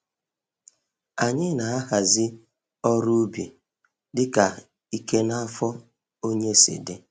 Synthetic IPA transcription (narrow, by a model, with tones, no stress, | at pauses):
a˨ɲɪ˦na˨a˦ha˨zɪ˦ | ɔ˦ɾu˦bi˨ | dɪ˦ka˨ | i˦ke˦na˦a˦fɔ˦ | o˦ɲe˦sɪ̰˨de˦